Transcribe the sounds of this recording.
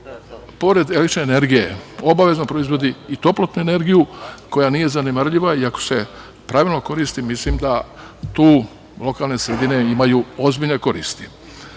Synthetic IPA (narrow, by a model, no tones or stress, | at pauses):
po̞ɾe̞d̪elekt̪it͡ʃʃneːneɾɡije̞o̞baʋe̞znopɾo̞izʋo̞d̪iːt̪o̞plot̪nuene̞ɾɡijuko̞janije̞zanemaɾʎiʋaiako̞̥se̞ | pɾaʋilˠno̞ko̞ɾist̪imislimd̪a | t̪uː | lˠo̞kaːlne̞sɾed̪ine̞imajuo̞zbiʎne̞ko̞ɾḭːst̪i̥